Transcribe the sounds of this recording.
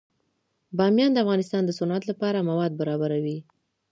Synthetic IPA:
bɑmjɑnd̪əafɣɑnɪst̪ɑnd̪əsʊnɑt̪lapɑɾamawɑd̪̚baɾɑbaɾawi

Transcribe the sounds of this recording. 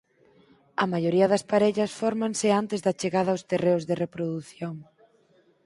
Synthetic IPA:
ɐmajoɾiɐðɐspaɾɛʎɐsfɔɾmaŋsɪant̪ɪzðɐt͡ʃeɣaðɐawst̪ereʊzðerepɾoðuθjoŋ

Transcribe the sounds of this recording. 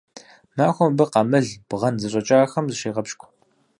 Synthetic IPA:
maːxʷɔmbɨqɑmɨɮb̥ʁɐnzɨɕʼɐt͡ʃʼaːxɐmzɨʃeːʁɐpʃkʷʰ

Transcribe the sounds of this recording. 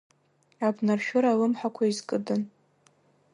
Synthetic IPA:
abnarʃᶣʊɾalɨmħakʷʰaizkʼɨdɨn

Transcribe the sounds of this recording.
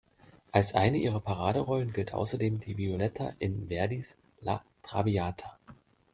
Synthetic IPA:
ʔalsʔa̰ɪnəʔiːʁɐpʰaʁ̞aːdəʁɔlənɡɪltʔa̰ʊsɐdeːmdiːviolɛtʰa̰ʔɪnvɛɐdis | la̰tʁ̥aviaːtʰa

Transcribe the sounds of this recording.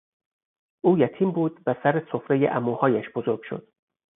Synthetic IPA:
ʔuːjæt̪ʰiːmbuːd̪væsæɾesofɾejḛʔæmuːhɒːjæʃbozo̞ɾɡ̥ʃo̞̰d̪̥̚

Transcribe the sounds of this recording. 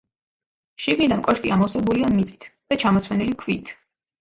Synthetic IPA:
ʃiɡnid̪ankʼɔʃkʼiamɔsɛbuliamit̪sʼi̥t̪ʰd̪̥at͡ʃʰamɔt̪sʰwɛnilikʰviːt̪ʰ

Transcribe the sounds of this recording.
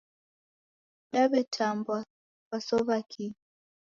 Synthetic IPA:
ɗaβɛtʰambwa | βasɔβakʰi

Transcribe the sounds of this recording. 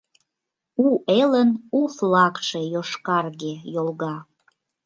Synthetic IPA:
uelənuflɑkʃejoʃkɑrɣejolɣɑ

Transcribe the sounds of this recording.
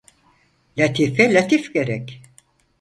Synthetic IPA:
lʲat̪ʰifɛlʲat̪ʰifɟeɾɛc

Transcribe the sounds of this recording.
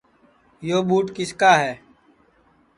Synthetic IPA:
joːɓuːʈkɪskaːɦɛː

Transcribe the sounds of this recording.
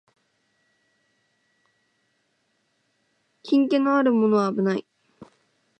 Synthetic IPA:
kʲʰĩŋke̞noaɾɯ̟mo̞no̞βaːbɯ̟nai

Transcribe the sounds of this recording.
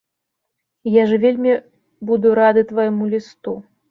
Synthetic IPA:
jaʐɨvʲelʲmʲi | bud̪uɾad̪ɨt̪vajmulʲist̪u

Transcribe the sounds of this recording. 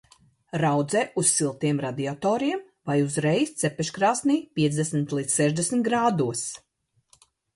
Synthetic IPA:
ɾawd̪zɛːʔussilˠt̪iɛmɾad̪iat̪ɔːɾiɛm | vajuzɾɛjst̪sɛpɛʃkɾaːsniːpʲiɛzd̪esmit̪liːt̪ssɛʒd̪esmt̪̚ɡɾaːd̪uɔs

